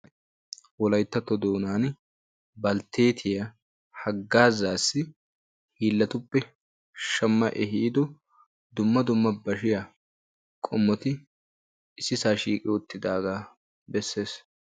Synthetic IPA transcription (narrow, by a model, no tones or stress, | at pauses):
wɔlɐjt̪ːɐt̪ːɔd̪oːnaːn | bɐlt̪ːe̞ːt̪ʰɪjɐ | hɐɡːaːzaːsːɪ | hiːlːɐt̪ʊpːɛ | ʃɐmːɐʔɛɦiːd̪ɔ | d̪ʊmːɐd̪ʊmːɐbɐʃɪja | kʼɔmːɔt̪ɪ | ɪsːɪsaːʃiːkʼɪʊt̪ːɪd̪aːɡaː | bɛsːe̞ːs